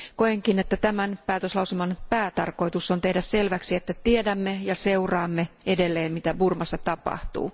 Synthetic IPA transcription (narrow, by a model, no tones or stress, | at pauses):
koeŋkine̞t̪ːæt̪æmænpæːt̪øslɑuselmɑnpæːt̪ɑ̰rko̞jt̪usːont̪e̞hdæsse̞lʋæksie̞t̪ːæt̪iedæmːejɑse̞urɑːmːee̞de̞lːeːmmit̪æburmɑsːɑt̪ɑpɑ̰ht̪ṵː